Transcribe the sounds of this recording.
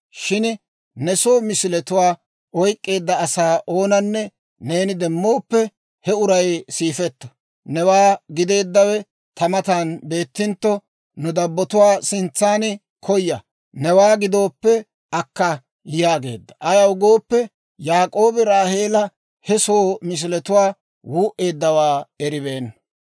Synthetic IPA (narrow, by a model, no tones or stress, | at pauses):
ʃɪn | nɛsoːmɪsɪlɛt̪ʊwaː | ɔjkʼːe̞ːd̪ːɐːsaːʔo̞ːnɐnːɛ | ne̞ːnɪd̪ɛmːo̞ːpːɛ | hɛʊɾɐjsiːfɛt̪ːɐ̥ | nɛwaːɡɪd̪e̞ːd̪ːɐwɛ | t̪ʰɐmɐt̪anbe̞ːt̪ːɪnt̪ːɔ | nʊd̪ɐbːɔt̪ʊwaːsɪnt͡sːaːnɪ | kʰɔjːɐ | nɛwaːɡɪd̪o̞ːpːɛ | ʔɐkːɐ | jaːɡe̞̰ːd̪ːɐ̥ʔɐjɐʊɡo̞ːpːɛ | jaːkʼoːbɛɾaːhe̞ːlɐ | hɛso̞ːmɪs̬ɪlɛt̪ʊwaː | wuːʔe̞ːd̪ːɐwaːɛɾɪbeːnːɐ